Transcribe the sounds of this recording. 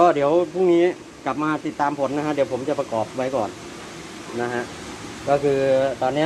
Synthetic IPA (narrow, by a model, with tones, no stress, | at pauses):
kʰɔː˧˩di˩˦əwpʰu˥˩ŋniː˦˥ | ka˨˩p̚maː˧t̪i˨˩t̪ːaː˧mpʰo˩˦nːa˧kʰa˦˥di˨˩˦wpʰo˩˦mt͡ɕa˨˩pa˧kɔː˨˩p̚wa˧jkɔ̰ː˨˩n | na˦˥ɦa˧˥ʔ | kɔː˥˩kʰɯː˧t̪ɔː˧nːi˦˥˩